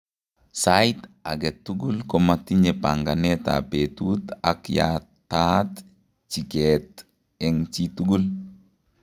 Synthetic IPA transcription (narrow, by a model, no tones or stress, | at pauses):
sajtaɡɛt̪ːuɡulkomat̪iɲepaŋɡanɛta̰petut̪akja̰ | tat̪ | t͡ʃikɛt̪ | ɛŋt͡ʃituɡul